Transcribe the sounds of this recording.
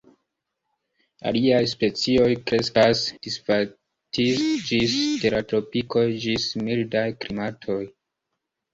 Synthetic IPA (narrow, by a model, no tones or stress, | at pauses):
a̰liajspe̞t͡sio̞jkɾe̞skasd̥isfa | tisd͡ʒisteɾatɾo̞piko̞jd͡ʒismildajklimatʰo̞j